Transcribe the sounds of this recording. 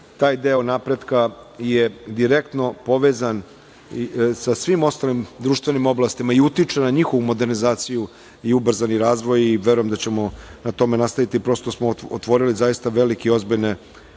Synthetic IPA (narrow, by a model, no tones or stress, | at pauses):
t̪aːjd̪eonapɾe̞d̪kajed̪iɾekt̪no̞po̞ʋeːzan | isasʋimo̞st̪alimd̪ɾuːʃt̪ʋenimo̞blast̪imaiut̪it͡ʂenaɲixo̞ʋumo̞d̪e̞ɾnizaːt̪siju | iubr̩zaniɾaːzʋo̞jiʋe̞ɾujemd̪at͡ɕe̞mo̞nat̪o̞me̞nast̪aʋit̪ipɾo̞st̪osmoot̪ʋo̞ɾilizajist̪aʋe̞likeio̞zbiʎne